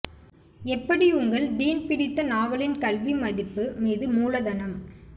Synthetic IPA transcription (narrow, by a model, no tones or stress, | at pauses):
ɛpːɐɽiʊŋɡɐɭd̪iːnpɪɽɪt̪ːɐnaːʋɐlɪnkɐlʋimɐðɪpːɯmiːðɯmuːlɐðɐnɐm